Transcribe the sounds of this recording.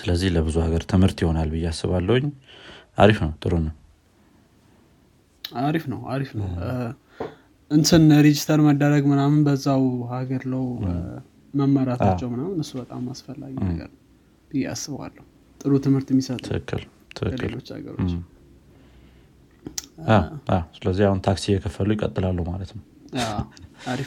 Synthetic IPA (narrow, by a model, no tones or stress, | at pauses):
sɨləzːihləbɨzuhaɡəɾt̪ʰɨmhɨɾt̪jɪho̞nalbɨjːasːɨβalːəhwʊɲːʔa̰ɾifnəwt̪ʼɨɾunəw | aɾifnəwa̰ɾifnəw | ʔɨnsʰɨnəd̪id͡ʒit̪ʰalməd̪ːəɾəɡmɨnamɨnbəzːawhaɡəɾləw | məmːəɾat̪at͡ʃːɛwmɨnamɨnɨsːubət̪ʼa̰mːasfəlːa̰ɡinə̰ɡə̰ɾ | bɨjɛa̰sɨβwa̰lːəhu | t̪ʼɨɾut̪ʰɨmhɨɾt̪ɛmːisət̪ʼʰɨkʰːɨ̰l | t̪ʰɨʔɨlot͡ʃːa̰ɡə̰ɾot͡ʃː | aʔasɨləzːihahunt̪ʰaksiɪjːɛkʰəfːəlujɪkʼə̰t̪ʼːɨlalːəhumalət̪əm | aaɾi